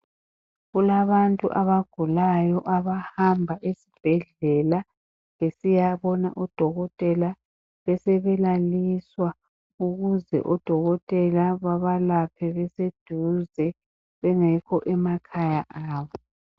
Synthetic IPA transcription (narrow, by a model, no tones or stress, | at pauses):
ɣulaβantʼṵʔaβaɡ̥ʱulajɔʔaβahambʱaʔesi̥b̥ʱɛɮɛla | βesijaβɔna̰ʔɔd̥ʱɔɣɔtʼɛla | βɛsɛβɛlaliswa | uɣuzɛ̰ʔɔd̥ʱɔɣɔtʼɛlaβaβalapʰɛβɛsed̥ʱuzɛ | βɛŋɛkʰɔʔɛmakʰajaʔaːβɔ